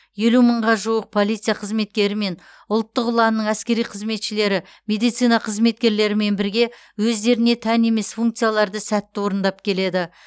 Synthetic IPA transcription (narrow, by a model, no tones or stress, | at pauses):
je̞luməɴʁɑʒuwəq̚pʰo̞lˠijt̪sɨjaqʰəzme̞t̪̚kʲe̞ɾɪme̞n | ʊlˠt̪ːəqʊlˠɑnːəɴæskʲe̞ɾijqʰəzme̞t̪ʃɪle̞ɾɪ | mʲe̞d̪ijt̪sijnɑqʰəzme̞t̪̚kʲe̞ɾle̞ɾɪme̞nbɪɾɡʲe̞ | wɵzd̪e̞ɾɪne̞t̪ʰæne̞me̞sfuŋkt̪sɨjalˠɑɾd̪əsæt̪ːɪwo̞ɾənd̪ɑpkʲʰe̞le̞d̪ɪ